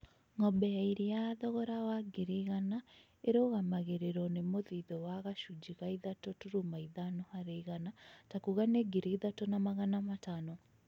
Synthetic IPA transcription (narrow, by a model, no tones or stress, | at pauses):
ŋɔbɛaiɾiaðɔɣɔɾawaɡiɾiɣana | eɾoɣamaɣeɾeɾɔnemoðiðɔwaɣaʃud͡ʒiɣaiðatɔtuɾumaiðanohaɾeiɣanatakuɣaneɡiɾiiðatɔnamaɣanamatanɔ